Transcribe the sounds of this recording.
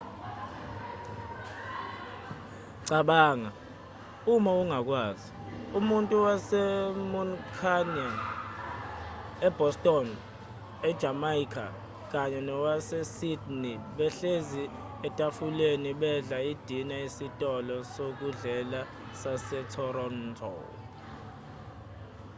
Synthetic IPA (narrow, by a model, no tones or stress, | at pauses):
ǀaɓaːŋa | umauŋak̬ʼwaːzi | umuntʼuwasɛmunkʰanan | ɛb̥ʱɔstʼɔn | ɛd̥ʒ̥ʱamaikʰa̰ | k̬aɲɛnɔwasɛsidniɓɛɬezi | ɛtʼafuleniɓɛɮaid̥ʱinaisitʼɔlɔsok̬uɮɛla | sasɛtʰɔrɔntʰʼɔ̰l